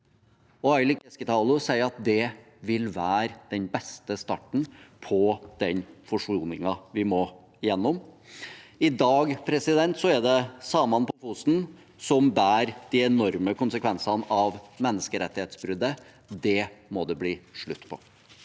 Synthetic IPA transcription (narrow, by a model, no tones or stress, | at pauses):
ɔɑɪlɪkɛskət̪ʰɑːlʊsæɪəɾɑt̪̚d̪ɛ | ʋɪlʋæːɾd̪̥ɛnbɛst̪əst̪ɑʈːɳ̩pʰɔd̪̥ɛɲfɔʂuːnɪŋɑʋɪmɔ | ɪjɛnːɔm | ɪd̪ɑːɡpʰɾɛsɪd̪ɛnt̪sɔɛd̪ɛsɑːmɑnpʰɔfuːsn̩ | sɔmbæːɾd̪̥iɛnɔɾməkʊnsəkʰʋɛnsɑnəʔɑʋmɛnːəskəɾɛt̪ːɪheːt̪sbɾʏd̪ːə | d̪ɛmɔd̪ɛbliːʂɭʉt̪ːpʰɔ̰